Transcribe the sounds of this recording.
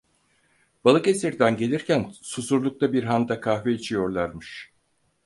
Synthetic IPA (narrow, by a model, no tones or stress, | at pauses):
b̥alˠɯke̞siɾd̪ænɟe̞lʲiɾcʰænsusuɾlˠuk̚t̪ʰabiɾɦand̪akʰahveit͡ʃʰijo̞ɾlˠaɾmɯʃ